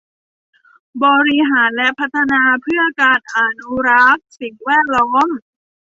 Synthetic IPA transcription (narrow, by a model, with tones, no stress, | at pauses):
bɔː˧ɾi˦˥ɦaː˩˦nlɛ˦˥ʔpʰa˦˥t̪ʰːa˧naː˧pʰɯ˥˩ɐkaː˧n̚ʔaː˨˩nu˦˥ɾa˦˥k̚si˨˩ŋwɛː˥˩t̪̚lɔː˦˥ŋ